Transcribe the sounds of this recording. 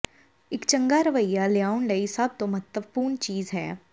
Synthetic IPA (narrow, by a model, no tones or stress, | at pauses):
ɪkt͡ʃə̃ŋɡaːɾəʋəjːaːlɪjaːʊnləisəb̚t̪õmət̪əʋpuːɾɳt͡ʃiːzɦɛ̰ː